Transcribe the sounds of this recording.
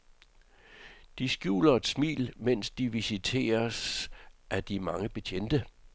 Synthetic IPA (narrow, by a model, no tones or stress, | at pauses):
d̥isɡ̥jṵːlɐe̝d̥smḭːlmen̰sd̥iʋisit͡sʰe̝̰ːɐsʔæd̥imɑ̈ŋəb̥e̝t͡ɕʰen̰d̥ə